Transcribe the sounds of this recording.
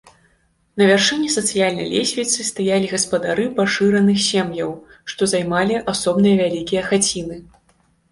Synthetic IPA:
nɐvʲarʂɨnʲːisɐt̪sɨjalʲnɐ̰jlʲesʲvʲit̪sɨst̪ajalʲiɣɐspɐd̪aɾɨpaʂɨɾɐnɨxsʲɛmjɐw | ʂt̪ɔzajmalʲiʔasɔbnɨjɐvʲalʲikʲijɐxat͡sʲinɨ

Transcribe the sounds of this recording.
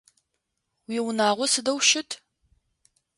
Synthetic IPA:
wiːwʊnaːʁʷɔsɨdɐwʃɪtʰ

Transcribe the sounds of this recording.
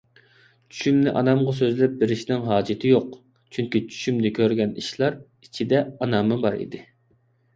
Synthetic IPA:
t͡ʃʰy̥ʃymnɪʔɑ̰nɑmʁɑsøzlɪp̚bɪɾɪʃnɪŋɦɑːd͡ʒit̪ʰɪjoq | t͡ʃʰyŋkʲit͡ʃʰy̥ʃymnɪkʲʰøɾɡʲɛniʃlˠɑɾ | it͡ʃʰid̪ɛɑnɑmɨbɑɾḭd̪ɪ

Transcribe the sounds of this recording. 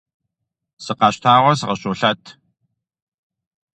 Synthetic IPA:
sɨqɑːɕt̪ʰaːʁʷɔsɨʁɐɕʼoːɬɐtʰ

